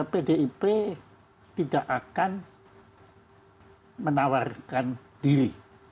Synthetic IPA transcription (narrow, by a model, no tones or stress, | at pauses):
pedeʔipe | t̪idaʔakan | mənawarkan | d̥iɾi